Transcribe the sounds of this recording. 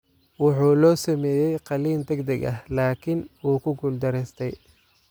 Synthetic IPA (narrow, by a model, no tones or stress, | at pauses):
wʊħuːlɔːsɐmɛːjɛjqɑliːnd̪ɐɡd̪ɐɡɐhlaːkʰɪnwuːkʰʊɡʊld̪ɐɾɛst̪ʰɛj